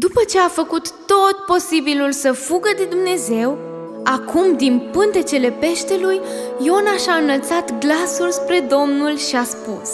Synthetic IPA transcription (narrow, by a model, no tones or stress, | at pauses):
d̪upət͡ʃe̞afəkut̪ːo̞t̪po̞sibilulsəfuɡəd̪e̞d̪umne̞ze̞w | akʰumd̪inpɨnt̪e̞t͡ʃe̞le̞pe̞ʃt̪e̞lujjo̞naʃaɨnəlt̪sat̪ɡlasulspɾe̞d̪o̞mnulʃiaspus